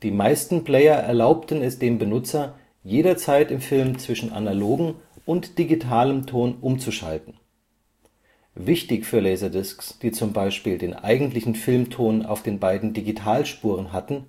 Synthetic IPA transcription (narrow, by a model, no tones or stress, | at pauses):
d̥iːmaɪstn̩pl̥ɛɪɐʔɛ̰ɐlaʊptən̩ɛsd̥eːmbənʊt͡sɐ | jeːɾɐt͡saɪtɪmfɪlmt͡sv̥ɪʃn̩ʔa̰naloːɡŋ̩ʊntd̥iɡitʰaːləmtʰoːnʔʊmt͡suʃa̰ltn̩ | vɪçtɪçfyːɐlɛɪzɐdɪsksd̥iːt͡sʊmbaɪʃpiːldeːnʔa̰ɪɡŋ̩tlɪçn̩fɪlmtʰoːna̰ʊfd̥eːnbaɪdn̩diɡitʰaːlʃpuːʁ̞ənɦatn̩